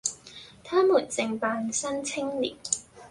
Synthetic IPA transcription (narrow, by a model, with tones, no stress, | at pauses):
t̪ʰaː˥muː˨˩nt͡sɪ˧ŋpaː˧nsɐ˥nt͡sʰɪ˥ŋlḭː˨˩t̚